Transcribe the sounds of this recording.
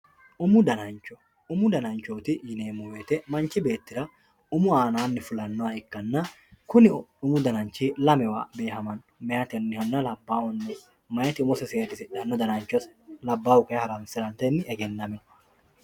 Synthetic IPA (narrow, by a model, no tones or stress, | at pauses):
ʔʊmʊd̪ɐnɐnt͡ʃːɔ | ʊmʊd̪ɐnɐnt͡ʃːoːt̪ɪjɪneːmʊweːt̪ɛmɐnt͡ʃːɪbe̞ːt̪ːɪɾɐ | ʊmʊaːnaːnːɪfʊlɐnːɔɐɪkːɐnːɐ | kʊnɪʊmʊd̪ɐnɐnt͡ʃːiːlɐmɛwa̰ːbe̞ːhɐmɐn | mɛjɐt̪ɛnːɪhɐnːɐlɐbːaːwɔnːɔ | mɐjɐt̪ɪʊmɔsɛseːɾɪsɪᶑɐnːɔd̪ɐnɐnt͡ʃːɔslɐbːaːwʊkɐjɐhɐɾɐnsɪɾɐnt̪ɛnːɪɛɡɛnːɐmɛ